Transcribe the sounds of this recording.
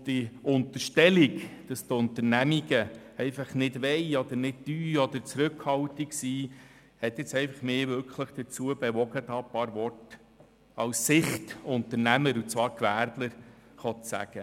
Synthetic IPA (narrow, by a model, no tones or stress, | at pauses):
d̪̥iʊnt̪əʃtɛliɡd̥ɑst̪ʊnt̪ənæmiɡə | ɛɪfɑχnɪdʋɛɪɔd̪əɾnɪd̚d̥yːɔd̪əɾt͡sɾɵkhɑwtiksiː | hɛt̪ːɪt͡sɛɪfɑχmeːvʏɾkχləχd̥̪ət͡suəbɛʋɔɡətɑːpɑːɾvɔrt | ɑwsːɪχtʊntəɾnæməɾut͡svɑːɾkvæːɾdləɾχɔt̪sæ̰ɡ̥ə